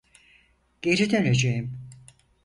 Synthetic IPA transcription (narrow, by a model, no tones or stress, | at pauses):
ɟ̥e̞ɾid̪øned͡ʒejim